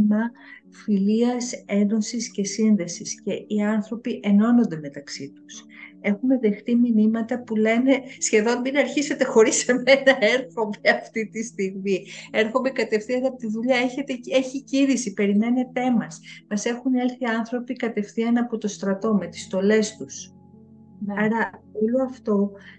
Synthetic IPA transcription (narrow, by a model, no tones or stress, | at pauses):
mɐ | filiɐse̞nd̪onsisce̞sinðe̞sisce̞iɐnθɾo̞piʔe̞no̞no̞nd̪e̞me̞t̪ɐksit̪use̞xume̞ðe̞xθiminimɐt̪ɐpule̞ne̞sçe̞ðo̞nbinɐɾçise̞t̪e̞xo̞ɾisemenɐeɾxo̞meɐft̪it̪ist̪iɣmie̞ɾxo̞me̞kɐt̪e̞fθiɐnɐpot̪iðuʎɐeçe̞t̪eeçiciɾisipe̞ɾime̞ne̞t̪emɐsmɐse̞xune̞lθiɐnθɾo̞pikɐt̪e̞fθiɐnɐpo̞t̪o̞st̪ɾɐt̪o̞me̞t̪i̥st̪o̞le̞st̪us | nɐɾɐoloɐft̪o̞